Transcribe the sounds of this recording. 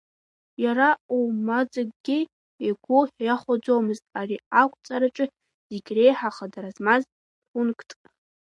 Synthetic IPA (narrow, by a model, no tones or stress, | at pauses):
jaɾaumad͡zaɡʼɡʲi | eɡʷʊħjaχʷad͡zowmɨztʼariakʷʰʼt͡sʼaɾat͡ʃʷʼɨ | z̥iɡʲre̞jħaχadaɾazmaz | χʷʊnkʰʼtʰʼ